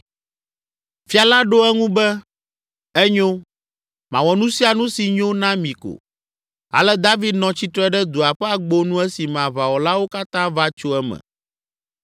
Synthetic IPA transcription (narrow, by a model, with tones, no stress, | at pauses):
fi˦a˨la˦ɖo˦ɛ˦ŋũ˦bɛ˦ | ɛ˦ɲo˦ | mã̰˨wɔ˨nũ˦si˦a˨nũ˦si˨ɲo˦nã˦mĩ˨ko̰˨ | a̰˨lɛ˦d̪a˦vi˦d̪nɔ̃˨t͡ɕi˦t̪ɾɛ˦ɖɛ˦d̪o˨a˨ɸɛ˦a˨ɡ͡bo˦nũ˦ɛ˦si˨mã˨βa˨wɔ˨la˦wo˦ka˦t̪ã˦va˦t͡ʃo˦ɛ˦mɛ̰̃˨